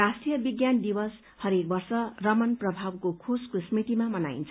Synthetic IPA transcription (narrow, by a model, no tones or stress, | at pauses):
asʈijʌbiɡjand̪ibʌs | hʌɾek̚bʌrsʌrʌmʌnprʌbʱabkokʰoskosmit̪imamʌna̰ḭnt͡sʰʌ